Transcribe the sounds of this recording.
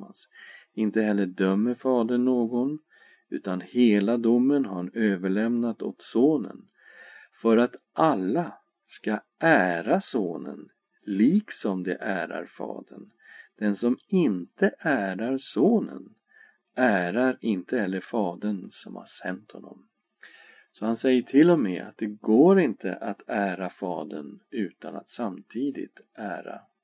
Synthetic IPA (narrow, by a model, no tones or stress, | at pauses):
a̰nsɪnt̪əhɛlːəɖœmːəɾfɑːd̪əɳːoːɡɔn | ʉ̟ːt̪anheːlad̪ʊmːənɦaɾøːvəɭɛmnat̪o̰t̪soːnə̰n | fœɾat̪ʔalːa | ska | ʔæːɾasoːnə̰n | liːksɔmd̪ɛ̰ʔæːɾa̰ɾfɑ̰ːd̪ə̰ɳ | d̪̥ɛnsɔmɪnt̪əʔæːɾaɾsoːnə̰n | ʔæːɾaɾɪnt̪əɛlːəɾfɑːd̪ənsɔmha̰ʂɛnt̪hɔnːɔ̰m | sɔhansɛjːəʈʰɪlːɔmɛːa̰t̪̚d̪ɛɡoːɾɪnt̪ʰə̰ʔat̪ʰæːɾafɑːd̪ə̰nʉ̟ːt̪ana̰t̪samt̪ʰiːd̪ɪ̰t̪ | ʔæːɾa̰